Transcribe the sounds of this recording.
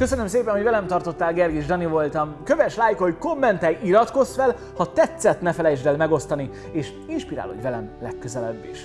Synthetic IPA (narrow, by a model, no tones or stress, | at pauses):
kø̞sønømseːpɛnhoɟvɛlɛmt̪ɒrt̪o̞t̪ːaːlɡɛrɡiʒd̪ɒnivo̞lt̪ɒmkøvɛʃlaːjkhocko̞mːɛnt̪ɛjiɾɒt̪ko̞sfɛl | hɒt̪ɛt̪sːɛt̪nɛfɛlɛjd͡ʒd̪ɛlmɛɡo̞st̪ɒni | eːʃ | inʃpiɾa̰ːlho̞̰ɟvɛlɛmlɛkːøzɛlɛbːḭʃ